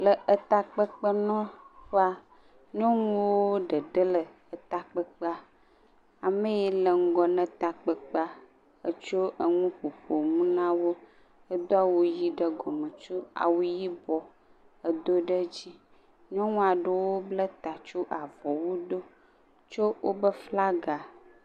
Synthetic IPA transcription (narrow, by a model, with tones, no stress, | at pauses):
lə˨ə˨t̪a˨k͡pə˦k͡pə˦nɔ̃˦ɸa˦ | ɲɔ̃˦ŋũ˦wwo˦ɖə˨ɖə˦lə˨ | ə˨t̪a˨k͡pə˦k͡pə˦a˨ | a˨mə̃˦je˦lə˨ŋ̩˦ɡɔ˨nə̃˦t̪a˨k͡pə˦k͡pə˦a˦ | ə˦t͡ʃo˦ə˨ŋũ˦ɸu˨ɸo˨mũ˦nã˦wo˦ | ə˦d̪o˦a˨wo˦ji˦ɖə˦ɡɔ˨mə̃˨t͡ʃo˦a̰˨wu˦ji˦bɔ˨ | ə˨d̪o˦ɖə˦d͡ʑi˦ | ɲɔ̃˦ŋũ˦a˨ɖə˦wo˦blə˦t̪a˨t͡ʃo˦ʔa˨vɔ˨wu˦d̪o˦ | t͡ʃo˦wʔo˦bə˦fla˦ɡa˨